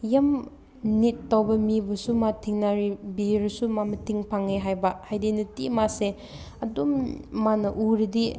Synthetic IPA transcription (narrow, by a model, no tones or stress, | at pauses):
jɐm | nitːawbɐmibɐsumatʰiŋnaɾibiɾɐsumamɐtʰiŋpʰaŋeɦajbɐhajdinɐtimase | ɐdumːanɐʔuɾidi